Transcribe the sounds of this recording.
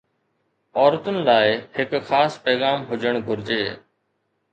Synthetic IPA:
ɔːɾət̪ʊnɪ̆laːɪhɪkxaːspɛːɣaːmɦʊd͡ʒʱəɽ̃ɡʱʊɾd͡ʒeː

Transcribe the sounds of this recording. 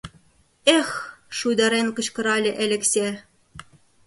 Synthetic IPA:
exʃujd̪ɑɾenkɤ̆t͡ɕkɤ̆ɾɑlʲɘ̆ʔelʲɘ̆ksʲe

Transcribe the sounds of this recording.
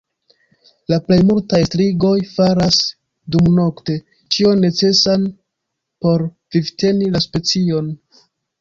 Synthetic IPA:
laple̞jmultajstɾiɡo̞jfaɾas | dumno̞kte̞ | t͡ʃio̞nːe̞t͡se̞san | po̞ɾ | vivte̞nilaspe̞t͡sio̞n

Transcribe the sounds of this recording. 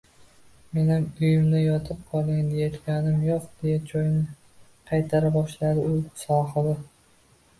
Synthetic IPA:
me̞namʊjɪmd̪ajɒt̪ʰɨp̚qʰɒlˠd̪ɪŋd̪ejet̪kʲanɪmjoqd̪̥e̞jat͡ʃʰojnɪ | qʰɑjt̪ʰaɾabɒʃlad̪ɪʊsɒhɨd̪ɪ

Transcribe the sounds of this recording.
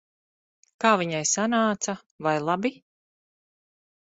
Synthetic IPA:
kaːviɲajsanaːt̪sa | vajlˠabi

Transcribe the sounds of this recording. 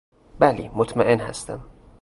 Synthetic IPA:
bælḭmot̪ʰmæʔenhæ̰st̪æ̰m

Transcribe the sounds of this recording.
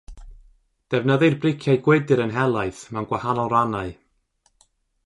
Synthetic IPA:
d̥ɛvnəðɨrbrɪkʰjajɡwɛdɨɾənɦɛlˠajθmanɡ̥wahanɔlˠɾanaɨ

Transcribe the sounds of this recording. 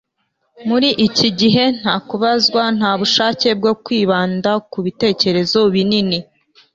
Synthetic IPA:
muɾiʔiciɟiɦe̞n̥haːkuβazɡwan̥haːβuʃaːce̞b̚ɡo̞kwiːβaːndakuβite̞ːce̞ɾe̞zo̞βinini

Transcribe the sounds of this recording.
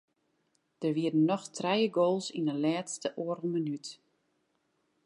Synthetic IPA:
d̥ərʋiədən̩ːɔxtʰrɛjəɡoːlˠsindəlɛːtstəʔoəɾəlˠmənyt

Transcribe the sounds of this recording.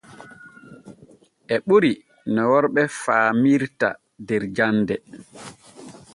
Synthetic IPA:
ʔɛɓuɾi | nɔwɔɾɓɛfaːmiɾta̰ | dɛɾd͡ʒanːdɛ

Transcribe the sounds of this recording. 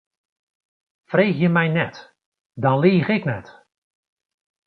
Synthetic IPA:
freːxjəmɛjnɛt | dɔnliːɣɪknɛt

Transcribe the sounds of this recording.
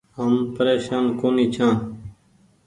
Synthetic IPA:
ɦəmpəɾeːʃaːnkoːniːt͡ʃʰãːn

